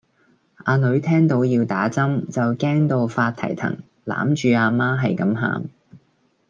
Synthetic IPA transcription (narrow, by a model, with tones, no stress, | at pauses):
ʔaː˧nɵ˨˧˥ɥt̪ʰɛː˥ŋt̪o˨˥wjiː˧wt̪aː˨˥t͡sɐ˥mt͡sɐ˨wkɛː˥ŋt̪o˧wfaː˧t̪̚ʰɐ̰˨˩jt̪ʰɐ̰˨˩ŋ | la̰ː˨˥mt͡ʃyː˨˧aː˧maː˥ɦɐ˨jkɐ˨˥mɦa̰ː˨m